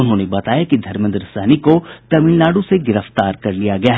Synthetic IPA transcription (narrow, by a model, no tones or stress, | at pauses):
ʊnɦõːnebɐt̪aːjakid̪ʱɐɾmɪ̃nd̪ɾəsɛːnikot̪ɐmiːlnaːɽõseɡɪɾəft̪aːɾkɐɾlijaɡɐjaːɦ